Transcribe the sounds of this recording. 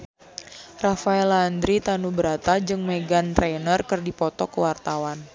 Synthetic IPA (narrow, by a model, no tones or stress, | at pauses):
rafaɛland̪ɾit̪anubəɾat̪ad͡ʒɨŋmeɡant̪ɾenərkɨrdipɔt̪ɔkəwart̪awan